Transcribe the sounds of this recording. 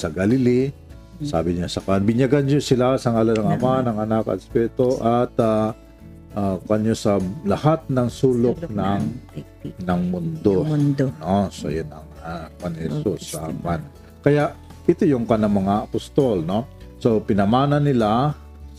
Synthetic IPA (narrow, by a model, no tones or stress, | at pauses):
sɐɡalɪli | sa̰ːbɪɲasɐkanbɪɲjɐɡanɲosɪlasɐŋalɐnɐŋɐmanɐŋɐnakɐ̰t̪ɛspɛt̪oʔɐt̪a | ʔakɐɲosɐlɐhat̪̚nɐŋsuːlok̚nɐŋ | nɐŋmʊnd̪onosɐ̰jɐnɐŋawanhɛsusa̰man | kɐjaʔ | ɪt̪ojʊŋkɐnaŋmɐŋaʔɐpʊst̪o̞lnosopɪnɐmaːnɐnːɪla